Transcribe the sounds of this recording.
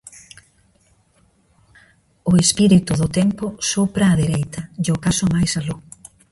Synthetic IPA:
ʊespiɾit̪ʊðʊt̪ɛmpʊsopɾaːðeɾejt̪ɐd͡ʒokasʊmajsalo

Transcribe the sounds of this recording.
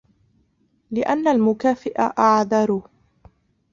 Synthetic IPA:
lɪʔanːalmʊkaːfɪʔaʔaʕðɑɾˤuː

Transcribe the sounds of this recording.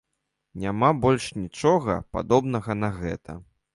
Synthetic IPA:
nʲamabɔlʲʂnʲit͡ʂɔɣɐ̰pa̰d̪ɔbnɐɣɐnɐɣɛ̰t̪ɐ̰

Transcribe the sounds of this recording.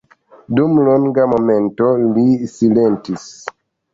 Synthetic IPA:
dumloŋɡamo̞me̞ntolisile̞ntis

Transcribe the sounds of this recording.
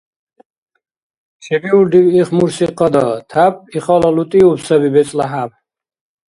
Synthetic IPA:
ʃʰɛbiulɖ̪iwiχmuɾsiqʼɔd̪ɔt̪ʰap̚ʰʼiχɔlɔlut̪ʼiupsabibɛt͡sʼlaɦab

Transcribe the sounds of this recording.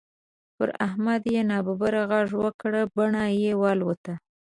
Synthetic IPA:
pə̰ɾa̰hmad̪jenɑbabaɾaɣɑʐwəkɽəbaɳajewɑlwət̪a

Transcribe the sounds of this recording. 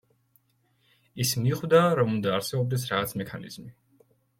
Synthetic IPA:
ismiχwvd̪aɾɔmund̪aːɾsɛbɔb̚d̪ɛsɾaʁat̪sʰmɛkʰanḭz̥mi

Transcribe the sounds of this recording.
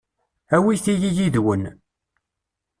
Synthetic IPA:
æwiθijijiðwən

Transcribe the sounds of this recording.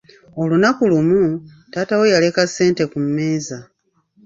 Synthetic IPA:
o̞lunakulumu | taːtawe̞jale̞kasːe̞ːnte̞kummeːza

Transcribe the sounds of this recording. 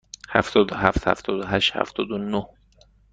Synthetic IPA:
hæft̪ɒːd̪ohæft̪hæ̰ft̪ʰɒːd̪oɦæʃt̪hæ̰ft̪ɒːd̪onoh

